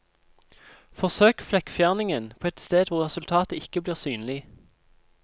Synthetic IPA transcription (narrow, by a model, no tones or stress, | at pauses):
fɔʁsøːkflɛkfjæʁnɪŋənpʰoːɛt̪st̪eːd̪ʋʊʁʁɛsʉlt̪ʰɑːt̪əɪkəbliːʁsyːnlɪ